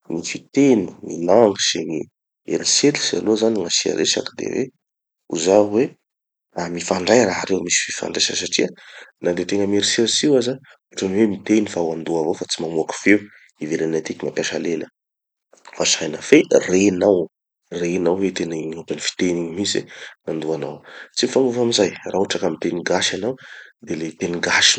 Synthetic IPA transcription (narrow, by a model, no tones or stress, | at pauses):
nifit̪eniŋḭlaŋɡiseɲi | ḛɾiselisia̰lozaniŋasia̰ɾʔesa̰kd̪ḛwḛ | ṵzawe | amifaɳɖ͡ʐajɾaɦaɾewmisi̥fi̥fa̰ɳɖ͡ʐeʃəsaʈ͡ʂiananɖ͡ʐet̪eŋəmeɾiselisiwazə | uʈ͡ʂaniwemit̪enifawand̪uavofat͡simamuaku̥fe | ivelanat̪ikimapaʃalelə | fasajnaferenaw | renawwet̪enaiɲupanifi̥t̪eniɲimisḭnand̪uana̰wt͡simifaŋuvamizajraoʈ͡ʂakamit̪eniɡaʃanawd̪elet̪eniɡaʃi̥